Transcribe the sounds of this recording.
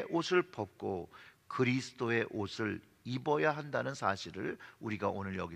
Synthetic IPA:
ʔosʰɯɭpʌp̚k͈o | kɯɾisʰɯ̥d͈oe̞ʔosʰɯɭ | ibʌjaɦandanɯnsʰaɕʰiɾɯɭuɾiɡaonɯɭjʌɡi

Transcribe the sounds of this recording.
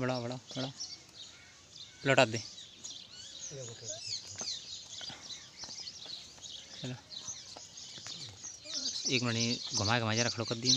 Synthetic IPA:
bəɽabəɽabəɽa | lɔʈad̪e | t͡ʃəlo | eːkməniɡʱəmaɡʱəmad͡ʒaɾəkʰəɽokəd̪i

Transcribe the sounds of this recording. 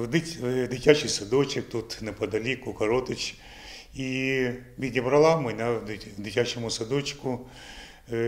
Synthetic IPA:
d̪ɪd̪ɪtʲat͡ʃɪjsɐd̪ɔt͡ʃɪkt̪ut̪nepɐd̪ɐlʲikʊkɐɾɔt̪ɪt͡ʃ | iʋʲid̪ʲnʲɪbɾɐlˠamɪnʲad̪ɪtʲat͡ʃɪmʊsɐd̪ɔt͡ʃkʊ

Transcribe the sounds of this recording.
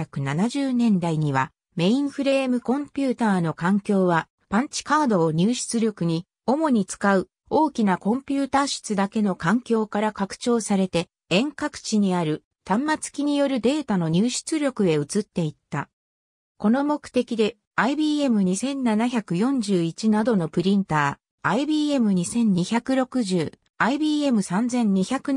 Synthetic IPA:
akɯ̟nanaʑɨːnẽ̞nd̪aiɲ̟iβa̰ | me̞ĩɰ̃ɸɯ̟ɾe̞ːmɯ̟kõ̞mpʲɨːt̪aːno̞kãŋkʲo̞ːβa | pãɲ̟t͡ɕi̥kaːd̪o̞ːɲ̟ɨːɕɨ̥t͡sɨɾʲo̞kɯ̟ɲ̟i | o̞mo̞ɲ̟it͡sɨ̥kaɯ̟ | o̞ːkʲinakõ̞mpʲɨːt̪aːɕɨ̥t͡sɨd̪ake̞no̞kãŋkʲo̞ːkaɾakakɯ̟̥t͡ɕo̞ːsaɾe̞t̪e̞ | ẽ̞ŋkakɯ̟̥t͡ɕiɲ̟iaɾɯ̟ | t̪ãmːat͡sɨ̥kʲiɲ̟ijo̞ɾɯ̟d̪e̞ːt̪ano̞ɲ̟ɨːɕɨ̥t͡sɨɾʲo̞kɯ̟e̞ɯ̟t͡sɨt̪ːe̞it̪ːa | ko̞no̞mo̞kɯ̥t̪e̞kʲid̪e̞ | aibiːe̞mɯ̟ɲ̟isẽ̞nːanaçakɯ̟jõ̞ɲ̟d͡ʑɨːit͡ɕinad̪o̞no̞pɯ̟ɾʲĩnt̪aː | ibiːe̞mɯ̟ɲ̟isẽ̞ɲ̟ːiçakɯ̟ɾo̞kɯ̟ʑɨː | aibʲiːe̞mɯ̟sãnd͡zẽ̞ɲ̟ɲiçakɯ̟

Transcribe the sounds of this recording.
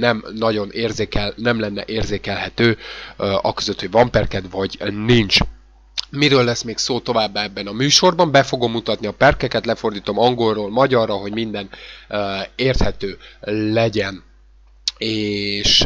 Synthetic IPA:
nɛmnɒɟo̞neːrzeːkɛlnɛmlɛnːɛ̰ʔeːrzeːkɛlɦɛt̪øː | ɒ̰køzøt̪ho̞ɟvɒmpɛrkɛd̪vɒɟnint͡ʃ | miɾøːlːɛsmeːksoːt̪o̞vaːbːaɛbːɛnɒmyːʃo̞rbɒmbɛfo̞ɡo̞mːut̪ɒt̪niɒpɛrkɛkɛt̪lɛfo̞rd̪iːt̪o̞mɒŋɡo̞rːoːlmɒɟɒrːɒɦo̞ɟmind̪ɛn | eːrt̪hɛt̪øːlɛɟɛn | eːʃ

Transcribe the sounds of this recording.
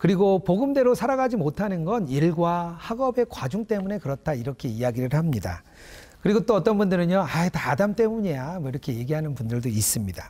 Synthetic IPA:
kɯɾiɡopoɡɯmde̞ɾosʰaɾaɣad͡ʑimotʰanɯnɡʌniɭɡwahaɡʌbe̞kwad͡ʑuŋt͈e̞mune̞kɯɾʌt͈ʰaiɾʌkʰe̞iaɡiɾɯɭhamɲida̰ | kɯɾiɡot͈oʌt͈ʌnbundɯɾɯɲjʌaetadamt͈e̞muɲejamwʌiɾʌkʰe̞je̞ɡiɦanɯnpundɯɭdois͈ɯmɲida

